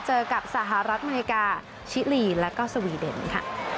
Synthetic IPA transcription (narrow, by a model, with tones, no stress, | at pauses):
t͡ɕɤː˧ka˨˩p̚sa˨˩ɦa˨˩ɾa˦˥ʔa˧mː˧i˧˥kaː˧ | t͡ɕʰi˦˥liː˧lɛ˦˥kaː˥˩wsa˧wiː˧dḛ˧˩nkʰa̰˧˥˩